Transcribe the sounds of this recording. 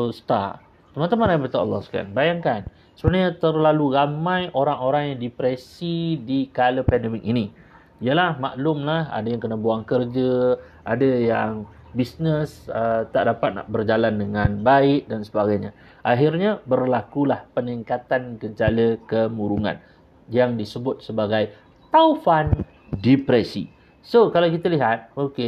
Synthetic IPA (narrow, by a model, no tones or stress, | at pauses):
st̪a̰ʔ | t̪əmant̪əmãnajabat̪aʔɑ̰lˠːɑ̰hska̰nbajaŋkan | səbənaɲat̪ərlaluɾamãjʔoɾaŋoɾaŋjaŋdipɾɛsidikaləpɛndɛmik̚ini | ijəlahma̰ʔlʊmlaha̰dajaŋkənəbuaŋkərd͡ʒə | adəjaŋ | bisnəsət̪aʔdapat̪̚na̰ʔbərd͡ʒalandəŋãnbaɪk̚dansəbaɡajɲa | ʔaɦirɲabərlakulahpəniŋkat̪ankəɲd͡ʒaləkəmuɾuŋã̰n | jaŋdisəbʊt̪̚səbaɡaj | t̪aufan | dipɾɛsḭ | sokalawkit̪əliɦat̪̚oke